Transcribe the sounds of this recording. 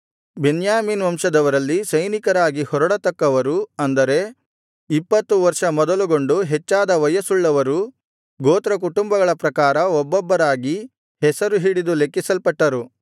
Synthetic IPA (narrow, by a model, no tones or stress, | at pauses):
benjaːminʋɐmʂɐd̪ɐʋɐɾɐlːisɐjnikɐɾaːɡihɔɾɐɽɐt̪ɐkːɐʋɐɾuɐnd̪ɐɾe̞ | ipːɐt̪ːuʋɐɾʂɐmɔd̪ɐluɡo̞ɳɖuɦɛt͡ʃːaːd̪ɐʋɐjɐsuɭːɐʋɐɾu | ɡoːt̪ɾɐk̬uʈumbɐɡɐɭɐpɾɐkaːɾɐɔbːɔbːɐɾaːɡi | hɛsɐɾuɦiːɽid̪ulekːisɐlpɐʈːɐɾu